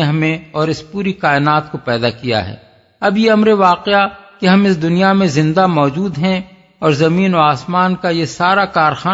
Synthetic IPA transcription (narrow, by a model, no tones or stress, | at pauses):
eɦɐmẽɔːɾɪspuːɾikaːɪnaːt̪kopɛːd̪akija̰ɦɛ̰ː | ɐbjeɐmɾeʋaːqeakeɦɐmɪsd̪ʊnijamẽzɪ̃nd̪amɔːd͡ʒuːd̪ɦɛ̃ | ɔːɾzɐmiːnoaːsmaːnkajesaːɾakaːɾxaː